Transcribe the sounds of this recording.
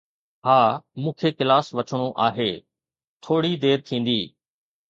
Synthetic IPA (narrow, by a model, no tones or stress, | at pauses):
haːmũːkʰeːkɪlaːsʋɐt͡ʃʰəɽ̃oʔa̰ːɦeː | t̪ʰoːɽid̪eːɾt̪ʰĩːn̆d̪iː